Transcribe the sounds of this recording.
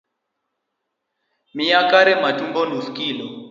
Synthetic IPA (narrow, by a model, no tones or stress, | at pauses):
miakʼaɾɛmatʼumbɔn̤ufkʼiːlɔ